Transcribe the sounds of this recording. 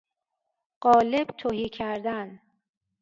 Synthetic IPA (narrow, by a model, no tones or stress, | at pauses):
ɢ̥ɒːleb̥t̪ʰohiːcʰæɾd̪æn